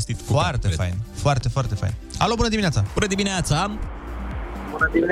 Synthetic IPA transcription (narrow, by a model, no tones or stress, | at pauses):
st̪it̪foart̪efa̰jnfoart̪e̞foart̪e̞fa̰jn | a̰lobunəd̪iminat̪sabunəd̪imineat̪sa | bunəd̪imin